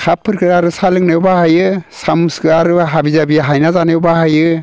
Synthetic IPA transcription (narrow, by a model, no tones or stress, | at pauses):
kʰapʰːɯɾkʰɯɾaɾɯsalɯŋnɯwbahajɯsamuskɯaɾɯɦabizabiɦajnazanɯwbahajɯ